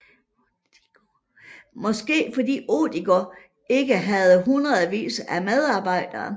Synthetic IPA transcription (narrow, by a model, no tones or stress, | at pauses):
mɒ̽sɡ̥e̝̰ːfɒ̽d̥ḭːo̝̰ːd̥iɡ̥ɒ | e̝ɡ̥əɦæð̞ˠɦunʁɐðˠʋḭːsæmeðˠɑ̈ːb̥ɑ̈ɪ̰d̥ɐː